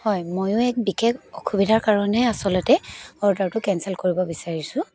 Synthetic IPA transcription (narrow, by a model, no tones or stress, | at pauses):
hɔjmojʊɛk̚bikʰekʰɔkʰubidʱaɹkaɹɔnɛasɔlɔtɛɔɹdaɹtʊkɛnsɛlkoɹibɔbisaɹisʊ̃